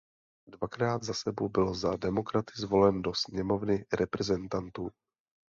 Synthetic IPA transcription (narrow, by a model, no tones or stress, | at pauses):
dvakɾaːd̪zasɛbowbɪlzadɛmo̞kɾat̪ɪzvo̞lɛndo̞sɲɛmo̞vnɪɾʔɛpɾɛzɛnt̪ant̪uː